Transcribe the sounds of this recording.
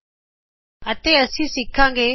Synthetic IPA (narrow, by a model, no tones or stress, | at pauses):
ət̪eːəsĩːsɪkʰãːŋɡeː